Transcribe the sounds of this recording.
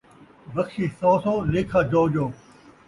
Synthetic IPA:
bɐkʃiːsɔːsoːleːkʰaːd͡ʒoːd͡ʒoː

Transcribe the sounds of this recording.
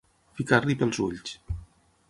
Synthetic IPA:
fikarlipəlˠzuʎs

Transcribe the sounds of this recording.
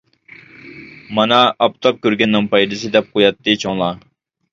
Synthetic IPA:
mɑnɑɑpt̪ʰɑp̚kʲøɾɡʲɛnːɨŋpɑjd̪ɨsɨd̪ɛp̚qʰojɑt̪ːɨt͡ʃʰoŋlˠɑ

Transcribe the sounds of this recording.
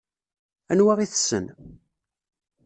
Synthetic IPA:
ænwaʁiθsːə̰n

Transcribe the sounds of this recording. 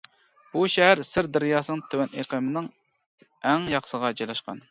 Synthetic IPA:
b̥uʃɛɦæɾsɪɾd̪ɛɾjɑːsɨnɨŋt̪ʰøwɛneqəmɪnɪŋ | ɛŋjɑχsəʁɑd͡ʒɑjlɑʃqɑ̰n

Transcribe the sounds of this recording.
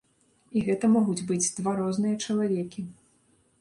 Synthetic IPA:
iɣɛt̪ɐmɔɣud͡zʲbɨd͡zʲd̪vaɾɔznɨjɐt͡ʂɐlˠavʲɛkʲi

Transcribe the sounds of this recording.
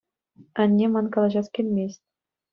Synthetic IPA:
ɘ̆nʲːemɑnkɑlˠɑʑɑskʲelʲmʲesʲtʲ

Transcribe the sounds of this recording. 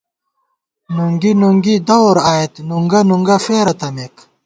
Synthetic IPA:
nuŋɡinuŋɡid̪ɐwɾaːet̪nuŋɡɐnuŋɡɐfeːɾɐt̪ɐmek

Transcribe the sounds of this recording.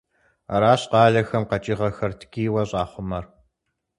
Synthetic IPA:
ɐ̰ɾaːɕqɑːɮɐxɐmqɐt͡ʃʼiːʁɐxɐrtʰkʲiːwɐɕʼɑːχʷʊmɐr

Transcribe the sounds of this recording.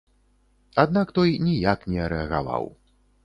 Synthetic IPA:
ad̪nakt̪ɔjnʲijaknʲɛɐɾɛɐɣa̰va̰w

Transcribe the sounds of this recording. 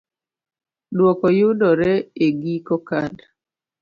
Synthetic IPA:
dwɔkɔjʊdɔɾɛeɡikɔkad

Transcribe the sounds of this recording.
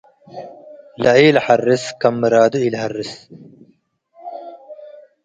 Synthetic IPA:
lɐiːlħɐrːiskɐmːɾaːd̪uilhɐrːis

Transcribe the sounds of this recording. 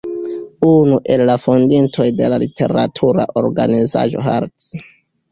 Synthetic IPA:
unuʔe̞lːafondintʰo̞jde̞lalitʰe̞̰ɾatʰuɾa̰ʔo̞ɾɡaniza̰ʒo̞̰ɦaɾtt͡s

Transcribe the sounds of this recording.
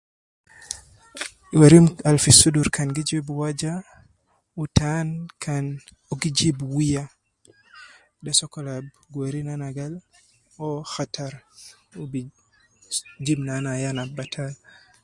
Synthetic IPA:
waɾimalfisuduɾkanɡid͡ʒibwad͡ʒa | utankan | oɡid͡ʒibwija | dɛsɔkɔlab | ɡweɾinanaɡal | ɔxataɾ | ubi | d͡ʒibnanajanabatʰal

